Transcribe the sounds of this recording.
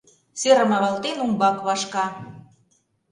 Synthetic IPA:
seɾə̆mɑβɑlt̪enumbɑkβɑʃkɑ

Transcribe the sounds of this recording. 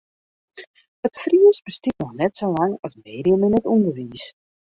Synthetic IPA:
ətfriəsbəstit̚nɔxnɛtsolaŋɑsmeːdiəmənɛtumbəʋiːs

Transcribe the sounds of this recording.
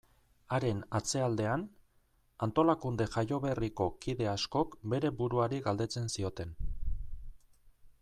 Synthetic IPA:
aɾe̞nat͡se̞ald̪e̞an | ant̪o̞lakund̪e̞ʝajo̞βe̞riko̞kiðe̞asko̞kbe̞ɾe̞buɾuaɾiɡald̪e̞t͡se̞nsio̞t̪e̞n

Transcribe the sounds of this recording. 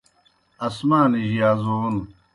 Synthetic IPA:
ɐsmaːniʑijaːzon

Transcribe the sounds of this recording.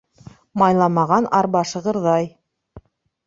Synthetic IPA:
mɑjlˠɑmɑʁɑnʔɑɾbɑʃɤ̆ʁɤɾðɑj

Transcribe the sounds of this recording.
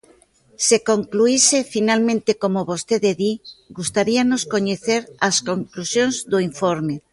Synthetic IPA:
sekoŋkluisefinalmẽnt̪ekomoβost̪eðeðiɡust̪aɾianoskoɲeθeɾaskoŋklusjõnzðoiɱfoɾme

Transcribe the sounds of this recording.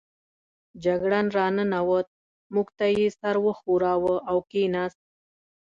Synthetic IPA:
d͡ʒaɡɽanɾɑnənawət̪̚ | muɡt̪ajesaɾwəxuɾɑwəawkenas̚

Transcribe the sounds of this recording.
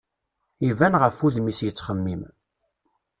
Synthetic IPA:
ivænʁəfuðmisjət͡sːχəmːim

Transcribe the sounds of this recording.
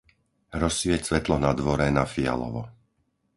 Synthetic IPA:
ɾɔsʋɪɛcsʋɛt̪lɔnad̪ʋɔɾɛnafia̰lɔ̰ʋɔ

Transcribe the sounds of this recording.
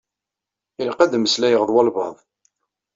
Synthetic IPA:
ilqæd̪məslæjəʁəðˤwɑlvɑ̰ðˤ

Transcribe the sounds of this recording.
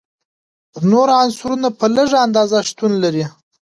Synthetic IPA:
noɾansuɾunapələʐaand̪ɑzaʂt̪unlaɾi

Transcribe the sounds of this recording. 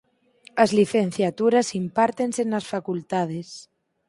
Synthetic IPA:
azliθen̟θjat̪uɾasimpaɾt̪ensenasfakult̪að̞es

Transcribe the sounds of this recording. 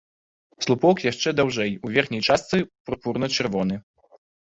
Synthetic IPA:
slˠupɔkjaʂt͡ʂɛd̪awʐɛjuvʲɛrxnʲɛjt͡ʂast̪sɨpɾupuɾnɐt͡ʂɛrvɔnɨ

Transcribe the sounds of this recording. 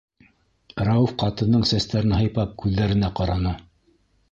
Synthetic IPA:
ɾɑufqɑt̪ɤ̆nːɤɴsæst̪æɾɘnɦɤ̆jpɑp̚kʰʉðːæɾɘ̆næqɑɾɑnɤ

